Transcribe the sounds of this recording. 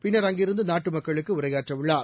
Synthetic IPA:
pɪnːɐɾɐŋɡɪɾɯnd̪ɯnaːʈːɯmɐkːɐɭɯkːɯʊɾɐjaːʈrɐʋɪɭːaːɾ

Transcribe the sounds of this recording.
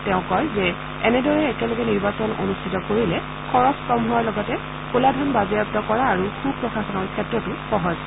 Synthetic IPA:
tɛʊ̃kɔjzɛ | ɛnɛdɔɹɛːkɛlɔɡɛniɹbasɔno̰nustʰitɔkoɹilɛ | kʰɔɹɔskɹɔmɦuaɹlɔɡɔtɛ | koladʱɔnbazɛjɔp̚tɔkɔɹaːɹukʰub̚pɹɔxaxɔnɔɹkʰɛtɹɔtʊxɔɦɔz

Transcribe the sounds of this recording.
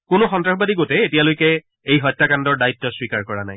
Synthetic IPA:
kʊnʊxɔntɹaxɔbadiɡotɛetijalojkɛ | ejɦɔjtːakandɔɹdajitːɔswikaɹkɔɹanaj

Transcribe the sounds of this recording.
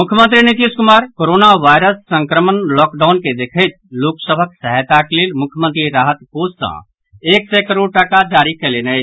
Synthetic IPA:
mukʰjəmə̃nt̪ɾinit̪iskumaːɾkoɾonaʋaɪɾəsːə̃ŋkɾəmənlɔkɖaʊnked̪ekʰəjt̪̚loksəbʱəksəɦət̪akelelmʊkʰjəmə̃nt̪ɾiɾaɦət̪possã̰ | eːksɛkəɾoɖ̚ʈəkad͡ʒaɾikɛlenəjʰ

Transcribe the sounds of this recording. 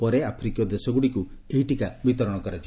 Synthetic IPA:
pɔɾeapʰɾikijɔd̪esɔɡuɽikueɦiʈikabit̪ɔɾɔɽ̃ɔkɔɾat͡ʃʰ

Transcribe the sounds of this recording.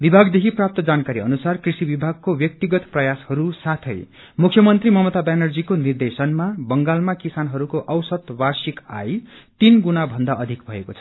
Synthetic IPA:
bibʱaɡd̪ekʰiprap̚t̪ʌd͡zankaɾiʌ̰nusarkrisibibʱaɡ̚kobjʌk̚t̪iɡʌt̪prʌjashʌɾusat̪ʰʌj | mukʰjʌmʌnt̪rimʌmʌt̪abanʌrd͡zikonird̪esʌnmabʌŋɡalmakisanɦʌɾukoʔʌwsʌd̪barsika̰jt̪inɡunabʱʌnd̪aʔʌd̪ʱikbʱʌekot͡sʰʌ̥

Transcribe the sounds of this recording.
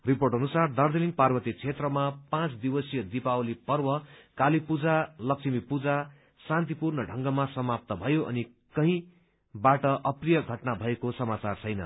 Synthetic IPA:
riporʈʌnusard̪ʌrd̪eliŋɡparbʌt̪it͡sʰet̪rʌmapãt͡sd̪iwʌsijʌd̪ipawlipʌrwʌkalipud͡zalʌksimipud͡za | sãnt̪̬ipurnʌɖʱʌŋɡʌmasʌmap̚t̪ʌbʱʌjoʔʌ̰ni | kʌɦĩ | baʈʌʔʌprijʌɡʱʌʈnabʱʌekosʌmat͡sart͡sʰʌjnʌ̰

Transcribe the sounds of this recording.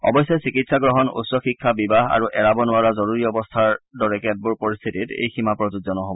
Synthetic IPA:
ɔ̰bɔjsɔsikitsaɡɹɔɦɔnṵtsɔxikʰːabibaɦa̰ɹuʔɛɹabɔnʊaɹɔzɔɹuɹiɔbɔstʰaɹdɔɹɛkɛt̚buɹpɔɹist̪ʰititḛjximapɹɔzudzɔnɔɦobɔ

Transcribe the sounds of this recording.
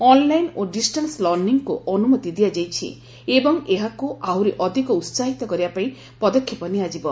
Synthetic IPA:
ɔnlajnoɖisʈanslɔɾniŋkuɔnumɔt̪id̪ijad͡ʒajt͡ʃʰḭ | ebɔŋeɦakuʔaɦuɾeʔɔd̪ʱikɔut̪saɦit̪ɔkɔɾibapaĩ | pɔd̪ɔkʰːjɔpɔniad͡ʒibɔ

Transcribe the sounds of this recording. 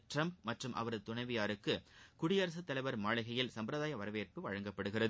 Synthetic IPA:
ʈrɐmp̚mɐʈrɯmʔɐ̰ʋɐɾɐðɯt̪ːʊɳɐɪʋɐjaːɾɯkːɯkʊɽɪjɐɾɐs̬ɯt̪ːɐlɐɪʋɐɾmaːɭɐɣɐjɪlsɐmbpɾɐðaːjɐʋɐɾɐʋeːrpɯʋɐɻɐŋɡɐpːɐɽɯɣɪrɐðɯ

